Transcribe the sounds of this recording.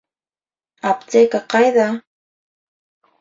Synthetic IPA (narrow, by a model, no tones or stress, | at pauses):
apt͡sekaqɑjða